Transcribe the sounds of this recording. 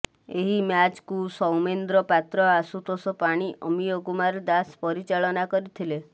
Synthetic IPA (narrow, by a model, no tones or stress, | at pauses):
eɦimjat͡ʃkusɔwmend̪ɾɔpat̪ɾɔasut̪ɔsɔpaɽ̃iʔɔmijokumaɾd̪aspɔɾit͡ʃaɭɔnakɔɾit̪ʰile